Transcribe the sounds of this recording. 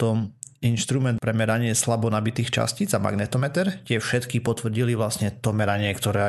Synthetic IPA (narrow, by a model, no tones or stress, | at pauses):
t̪ɔminʃt̪ɾumɛnt̪̚pɾɛmɛɾaɲɪɛslabɔnabit̪iːxt͡ʃa̰scid͡zama̰ɡnɛt̪ɔmɛt̪ɛɾcɪɛfʃɛt̪kipɔt̪ʋr̩ɟiliʋlasɲɛt̪ɔmɛɾaɲɪɛkt̪ɔɾɛː